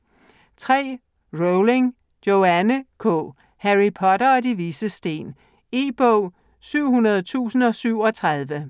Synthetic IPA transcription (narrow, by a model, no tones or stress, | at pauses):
t͡sʰʁɛ̰ː | ʁoʊleŋ | jo̝ænəkʰɔ̰ː | hæʁipʰɒ̽ɾɐɒd̥iʋiːsəsd̥e̝̰ːn | e̝̰ːb̥ɔʊ̰ | syʊ̰hunɐð̞ˠt͡sʰṵːsn̩ɒ̽syʊ̰ɒ̽t͡sʰʁɑð̞ˠʋə